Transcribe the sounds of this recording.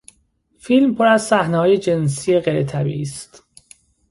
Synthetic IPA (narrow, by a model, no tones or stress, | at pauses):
filmpʰoɾæzsæhnehɒːje̞d͡ʒe̞nsiːje̞ɣejɾet̪ʰæbḭʔiːst̪